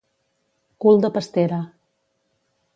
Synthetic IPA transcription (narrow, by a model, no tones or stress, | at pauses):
kulˠd̪əpəst̪eɾə